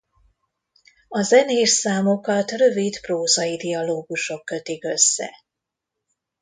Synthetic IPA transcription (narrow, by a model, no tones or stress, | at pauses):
ɒzɛneːʃsaːmo̞kɒt̪rø̞vit̪proːzɒjid̪iɒloːɡuʃo̞kːø̞t̪ikø̞sːɛ̰